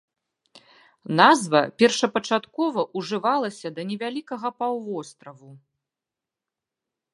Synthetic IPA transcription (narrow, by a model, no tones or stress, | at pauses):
nazvɐpʲɛrʂɐpɐt͡ʂat̪kɔvɐʔuʐɨvalˠɐsʲɐd̪ɐnʲɛvʲalʲikɐɣɐpawvɔst̪ɾɐvu